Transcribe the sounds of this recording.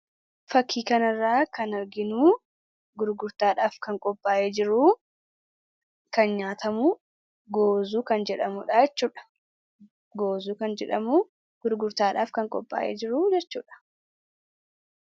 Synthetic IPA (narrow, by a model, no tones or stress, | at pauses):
fɐkʰːiːkɐnɐrːaːkɐnɐɾɡɪnuː | ɡʊɾɡʊɾt̪aːᶑaːfkɐŋkʼɔpʼːaːʔeːd͡ʒɪɾuː | kɐnɲaːt̪ɐmuː | ɡoːzuːkɐnd͡ʒɛᶑɐmuːᶑaːjɛt͡ʃːuːᶑɐ̥ | ɡoːzuːkɐnd͡ʒɛᶑɐmuː | ɡ̥ʊɾɡʊɾt̪aːᶑaːfkɐŋkʼɔpʼːa̰ːʔeːd͡ʒɪɾuːd͡ʒɛt͡ʃːṵːᶑɐ̥